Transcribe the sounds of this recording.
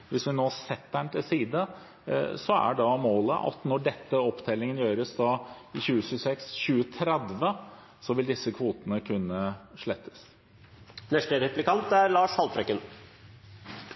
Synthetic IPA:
ʋɪsʋɪnoːsɛt̪ːæɳt̪ʰɪlsiːd̪ə | sɔæ̰ɖɑmoːlə̰ʔɑ̰t̪nɔɖɛt̪ːəɔpt̪ʰɛlːɪŋənjøːɾəsd̪ɑ | ɪçʉːəɕʉːsɛksçʉːət̪ʰɾɛd̪ʋə | sɔʋɪld̪ɪsːəkʰʋuːt̪ənəkʰʉnːəʂɭɛt̪ʰːə̥s | nɛʂʈəɾɛplɪkʰɑnt̪æɾlɑːʂhɑlfɾɛkːən

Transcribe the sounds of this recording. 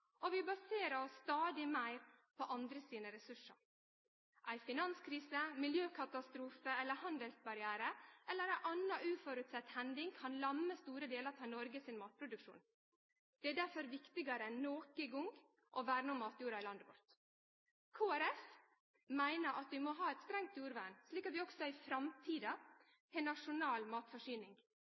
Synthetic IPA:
ʔɔʋɪbɑseːɾəɔsst̪ɑːd̪ɪmæɪɾpʰɔʔɑnd̪ɾəsiːnəɾɛsʉʂɑ̰ɾ | ʔæɪfɪnɑnskʰɾiːsəmɪljøːkʰɑt̪ɑst̪ɾuːfəɛlːəɾhɑnd̪əlsbɑɾɪæːɾəʔɛlːəɾæɪʔɑnɑʔʉːfɔɾʉt̪sɛt̪ːhɛnd̪ɪŋkʰɑnlɑməst̪uːɾəd̪eːləɾt̪ʰɑːnɔɾɡəsɪnmɑːt̪̚pʰɾʊd̪ʉkʂṵːn | d̪̥ɛæɖ̪æɾfɔɾʋɪkt̪ɪɡɑɾəɛnːoːkəɡʊŋ | ʔɔʋæːɾənuːmɑːt̪juːɾɑɪlɑnd̪əʋɔ̰ɾt̪ | kʰoːæɾɛf | mæɪnəɾʔɑt̪ʋɪmɔɦɑːɛt̪st̪ɾɛŋt̪juːɾʋænʂliːkɑt̪ʋɪɔɡsɔɪfɾɑmt̪ʰiːd̪ɑ | hʰɛnɑʂʊnɑːlmɑːt̪fɔʂyːnɪŋ

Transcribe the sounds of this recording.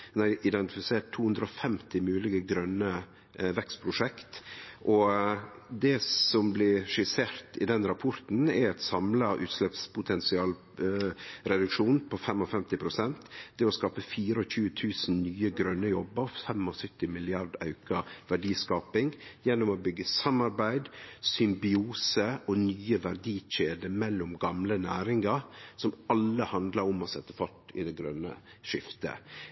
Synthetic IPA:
næɪʔɪd̪ɛnt̪ɪfɪseːʈ̪ʰːuːʉnd̪ɾəɔfɛmt̪ɪmʉːlɪɡəɡɾœnːə | ʋɛkst̪pʰɾʊʂɛkt̪ʔɔ | d̪ɛsɔmblɪʂɪseːɾt̪ɪd̪ɛnɾɑpʰɔɾt̪n̩ɛɾɛt̪sɑmləʔʉ̰ːt̪slɛpspʰʊt̪ʰɛnsɪɑːl | ɾɛd̪ʉkʂuːnpʰɔfɛmɔfɛmt̪ɪpʰɾʊsɛnt̪d̪̥ɛɔskɑːpəfiːɾəɔçʉːət̪ʰʉːsn̩nyːəɡɾœnːəjɔbəɾfɛmɔsœt̪ːɪmɪlɪɑɾd̪ɑʉkɑʋæɖiːskɑːpɪŋjɛnːʊmobʏɡːəsɑmɑɾbæɪd̪sʏmbɪuːsəɔnyːəʋæɾɖiːʃeːd̪əmɛlːʊmɡɑmlənæːɾɪŋɑɾsɔmɑlːəhɑnd̪lɑɾʊmɔsɛt̪ːəfɔʈːɪ̰d̪ɛɡɾœnːə̰ʃɪft̪ə̰

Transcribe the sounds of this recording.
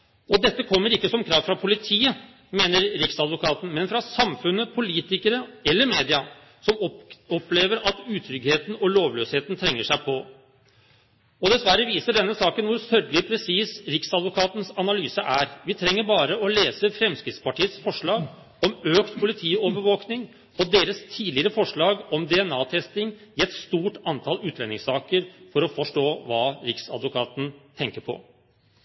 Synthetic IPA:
ɔd̪ɛt̪ːəkʰɔmːəɾɪkːəsɔmkʰɾɑːʋfɾɑpʰʊlɪt̪ʰiːə | meːnəɾɾɪksɑd̪ʋʊkʰɑːt̪ən̩mɛnfɾɑsɑmfʉnːəpʰʊliːt̪ɪkəɾəɛlːəɾmeːd̪ɪɑ | sɔmɔpːleːʋəɾɑt̪ʉːt̪ʰɾʏɡheːt̪nɔloːʋløːsheːt̪n̩t̪ʰɾɛŋːəʂæɪpʰɔ | ɔd̪ɛsʋæɾːəʋiːsəɖɛnːəsɑːkənʋʊɾsœɾɡlɪpʰɾɛsiːsɾɪksɑd̪ʋʊkʰɑːt̪n̩sɑnɑlyːsəʔæɾʋɪt̪ʰɾɛŋːəɾbɑːɾəɔleːsəfɾɛmskɾɪt̪spɑʈʰiːət̪sfɔʂɭɑːɡ | ɔmøːkt̪pʰʊlɪt̪ʰiːɔʋəʋoːknɪŋ | ɔd̪eːɾəst̪ʰiːd̪lɪəɾəfɔʂɭɑːɡɔmd̪ɛɛnɑːt̪ʰɛst̪ɪŋɪɛt̪st̪uːʈɑnt̪ʰɑlʉːt̪lɛnɪŋsɑːkəɾfɔɾɔfɔʂʈoːʋɑːɾɪksɑ̰d̪ʋʊkʰɑːt̪n̩t̪ʰɛŋkəɾpʰɔ̰

